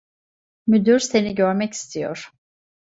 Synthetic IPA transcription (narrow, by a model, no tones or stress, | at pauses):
myd̪yɾse̞niɟøɾmɛci̥st̪ʰijo̰ɾ̥